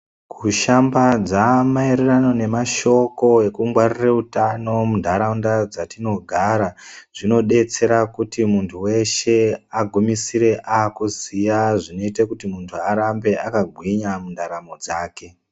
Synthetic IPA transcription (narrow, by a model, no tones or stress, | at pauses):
kʰuʃambad͡zamaeɾerano̞ne̞maʃo̞ko̞e̞kuŋɡwarireutano̞mundʱaɾaundad͡zatino̞ɡʱaɾaʐ̥ino̞ɗe̞t͡se̞ɾakutimuntʰuwe̞ʃe̞aɡʱumisiɾe̞ʔaːkuzijaʐino̞itakutimuntʰuaɾambe̞akaɡʱwiɲamundʱaɾamo̞d͡zaːke̞